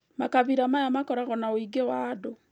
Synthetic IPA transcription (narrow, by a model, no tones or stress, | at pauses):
makaβiɾamajamakɔɾaɣɔnaoiɡewado